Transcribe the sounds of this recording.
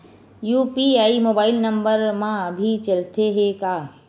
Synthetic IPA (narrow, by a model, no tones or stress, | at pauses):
juːpiaːimoːbaːɪlnə̃mbəɾmãbʱit͡ʃɐlt̪eɦekaː